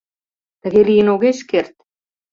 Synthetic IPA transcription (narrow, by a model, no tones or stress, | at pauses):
t̪ə̆ɣelijə̆noɣeʃkert̪̚